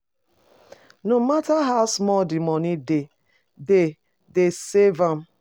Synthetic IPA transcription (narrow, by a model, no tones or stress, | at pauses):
nomataɦaʊsmɔldimɔnide | de | desevãm̩